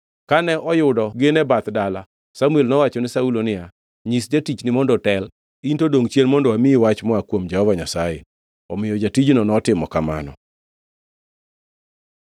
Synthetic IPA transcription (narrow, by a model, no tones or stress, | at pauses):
kanɛʔɔjʊdɔɡɪnɛbat̪dala | samwelnɔwat͡ʃɔnɪsaulonɪa | ɲisd͡ʒatit͡ʃnɪmɔndɔtɛl | intodoŋt͡ʃjenmɔndɔwamɪiwat͡ʃmɔakwomd͡ʒɛhɔvaɲasajɛ | ɔmɪjɔd͡ʒatid͡ʒnɔnɔtɪmɔkama̰nɔ̰